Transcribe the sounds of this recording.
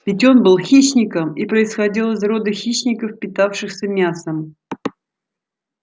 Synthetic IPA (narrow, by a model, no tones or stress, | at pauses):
vʲɪtʲo̞nbɨlˠxʲiɕnʲɪkəmipɾəɪsxɐdʲilˠəzro̞d̪əxʲiɕnʲɪkəfpʲɪt̪afʂɨxsʲəmʲasəm